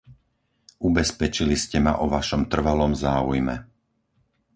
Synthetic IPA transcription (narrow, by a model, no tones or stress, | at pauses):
ʔubɛspɛt͡ʃiliscɛma̰ʔɔʋaʃɔmt̪r̩ʋalɔmzaːṵjmɛ̰